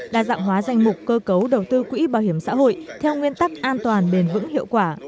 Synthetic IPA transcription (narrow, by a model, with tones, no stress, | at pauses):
ɗa̰ː˧˨za̰ː˧˨mɦwaː˨˦za˨˩jŋ̟mʊ˨˩k͡p̚kəː˧kə˨˦wɗə˨˩wt̪ɨ˧kwḭ˧˥ɓaː˧˩whi˧˩əmsa̰ː˧˥ɦo̰˧˨jt̪ʰɛ˧wŋwi˧ənt̪a˦˥k̚ʔaː˧nt̪waː˨˩nɓe˨˩nvɨ̰˧˥ŋhḭ˧˨əwkwaː˧˩